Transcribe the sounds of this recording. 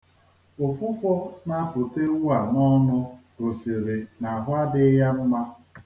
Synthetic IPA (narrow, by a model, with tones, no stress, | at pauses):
ʊ˨fʊ˦fɔ˦na˦pʊ˨te˦wu˦a˨nɔ˦nʊ˦ | ɾʊ˨si˨ɾe˨na˨a˨ɦʊ˦a˦dɪ˦ja˦m̩˦ma˦